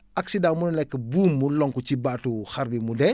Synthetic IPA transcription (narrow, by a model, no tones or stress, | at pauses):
aksidãmunɛlɛkːəbuːmːulɔŋkut͡ʃibatuxaɾbimudɛ